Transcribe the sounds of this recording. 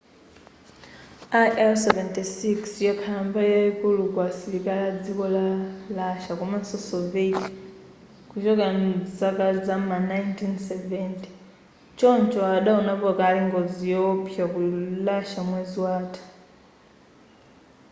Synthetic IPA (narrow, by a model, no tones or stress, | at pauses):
aʔɛlsɛvɛntisiksjɔkʰambajɛkulukwasiɾikalad͡zikɔlalaʃakɔman̩sɔsɔveti̥ | kut͡ʃɔkand͡zakad͡zamanajntʰinsɛvɛnti̥ | t͡ʃɔnt͡ʃɔaɗaunapɔkaliŋɡɔd͡zijɔpʰjakulaʃamwɛzwaːtʰḁ